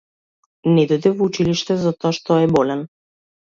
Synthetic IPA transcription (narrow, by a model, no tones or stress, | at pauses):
nɛd̪ɔjd̪ɛvɔut͡ʃiliʃt̪ɛzat̪ɔaʃt̪ɔɛbɔlɛn